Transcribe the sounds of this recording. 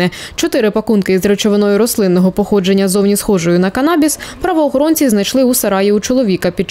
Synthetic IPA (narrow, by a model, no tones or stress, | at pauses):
ɛt͡ʃɔt̪ɪɾɪpɐkunkɪzɾet͡ʃɔʋenɔjʊɾɔslˠɪnːɔɦɔpɔxɔd͡ʒe̞nʲːɐzɔwnʲisxɔʒɔjʊnɐkɐnɑbʲispɾɐʋɔːxɔɾɔnʲt͡sʲiznɐjʃlˠɪusɐɾɑjiut͡ʃɔlˠɔʋʲikɐpʲit͡ʃ